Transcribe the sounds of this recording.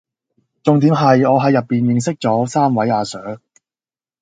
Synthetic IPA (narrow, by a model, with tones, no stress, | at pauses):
t͡sʊ˨ŋt̪̬iː˨˥mɦɐ˨jɔː˨˧ɦɐ˨˧jːɐ˨pːiː˨˩njɪ˨ŋsɪ˥k̚t͡sɔː˨˥saː˥mwɐ˨˥jaː˨˧sœː˨˥ŋ